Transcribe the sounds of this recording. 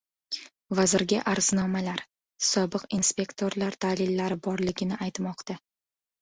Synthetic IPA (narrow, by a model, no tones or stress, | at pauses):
vazɪɾɡʲɪʔaɾz̥nɒmalaɾ | sɒbɪqinspʲe̞kt̪ʰo̞ɾlaɾd̪̥alɪlːaɾɪbɒɾlɪɡʲɪnɪʔajt̪mɒqt̪a